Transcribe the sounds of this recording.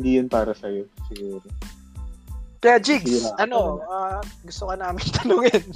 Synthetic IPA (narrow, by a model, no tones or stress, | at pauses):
ɪnd̪iːjʊnpaːɾɐsɐjosɪɡuːɾo | k̪ɐjd͡ʒɪksʔɐno̞ʔaːɡʊst̪okɐnaːmɪnt̪ɐnʊŋɪn